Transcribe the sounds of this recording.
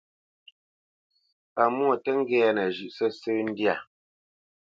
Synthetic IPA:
a˨mwɔ˦˨tə˦ŋ̩˦ɡɛ˦a˦nə˨ʒʉ˨ʔsə˦sə˦n̩˦dja˨

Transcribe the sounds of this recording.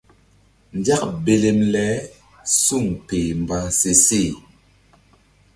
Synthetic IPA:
n˨dja˦k̚be˨le˨mlɛ˨˦ | su˦˨ŋpe˨m˨bã˨˦se˨se˦˨

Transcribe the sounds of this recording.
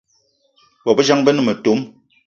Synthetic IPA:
bɔ˨bə˦d͡ʒa˦ŋbɛ˦nə˦˨me˨to˨˦m

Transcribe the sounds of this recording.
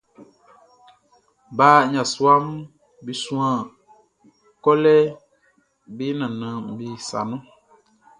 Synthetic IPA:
baː˦˨ɲã˨su˦a˦m˦ | bi˨sũ˦ã˨ | kɔ˦lɛ˦ | bi˦nã˨nɨ̃˨m̩˨bi˨sa̰˨nũ˦

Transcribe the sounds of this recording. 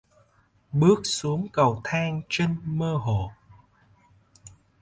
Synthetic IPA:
ɓɨ˦˥ək̚su˨˦əŋkə˨˩wt̪ʰaː˧ŋt͡ɕe˧nməː˧ɦo̰˧˨

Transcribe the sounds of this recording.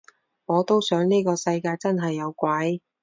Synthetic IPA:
ŋɔː˨˧t̪o˥wsœː˨˥ŋniː˥kɔː˧sɐ˧jkaː˧jt͡sɐ˥nɦɐ˨jːɐ˨˧wkʷɐ˨˥j

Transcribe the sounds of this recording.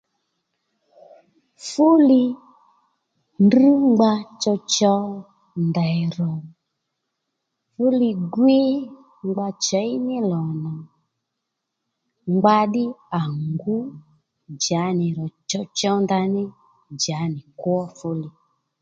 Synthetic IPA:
fu˦lɪ˧ | ndi˦ŋ͡mɡ͡ba˧t͡ʃɔ˧t͡ʃɔ˧˦ | nda˨ɾɔ˨ | fu˦li˧ɡwe˦ | ŋ͡mɡ͡ba˧t͡ʃɔ˨˦i˦nɪ˦lɔ˨nɔ˨ | ŋ͡mɡ͡ba˧ɗɪ˦a˨ŋɡu˦ | d͡ʒa˨˦nɪ˨ɾɔ˨t͡ʃɔ˧t͡ʃɔ˧˦nda˧nɪ˦ | d͡ʒa˨˦nɪ˨kwɔ˦fʊ˦li˧

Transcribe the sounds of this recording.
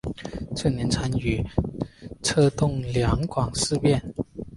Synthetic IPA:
ʈ͡ʂʰɤ˥˩njɛ˧˥nʈ͡ʂʰa˧˥ny˨˩˦ | ʈ͡ʂʰɤ˥t̪ʊ˥˩ŋljɑ˧˥ŋkwɑ˨˩ŋʂɻ̩˥˧pjɛ˥˩˨n

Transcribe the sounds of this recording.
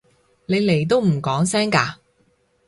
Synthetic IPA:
ne˨˧jle˨˩jt̪̬o˥wm̩˨˩kɔː˨˥ŋsɛː˥ŋkaː˧

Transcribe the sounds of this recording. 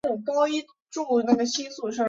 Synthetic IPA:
u˥˩kɑ˥ʊi˥ | ʈ͡ʂu˥˧na˥˩ɡə˩ɕi˥su˥˩ʂə˥˧

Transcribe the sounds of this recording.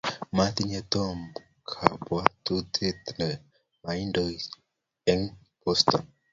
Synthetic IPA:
ma˦t̪i˦ɲɛ˦t̪ɔ˦m | kʰa˨bwa˦t̪u˦t̪ʰe˦t̪nɛ | ma˨i˦ndo | ɛ˦ŋ | pɔst̪ɔ˨n

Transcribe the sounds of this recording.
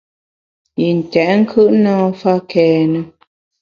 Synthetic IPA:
i˨n̩˨tɛ˨ʔŋ̩˦kʰɯ˦ʔnãː˦fa˦kɛː˨nə˨

